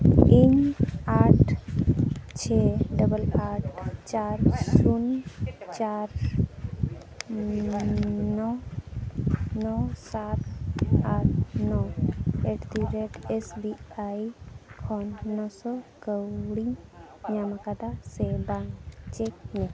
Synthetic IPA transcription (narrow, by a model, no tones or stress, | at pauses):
iɲaʈ | t͡ʃʰeɖəbəlaʈt͡ʃaɾsunt͡ʃaɾ | nɔ | nɔsat̪aɾnɔeʈʰd̪iɾeʈesbiajkʰɔnːɔsɔkəwɽiɲ | ɲamakad̪asebaŋɡt͡ʃek̚nɛ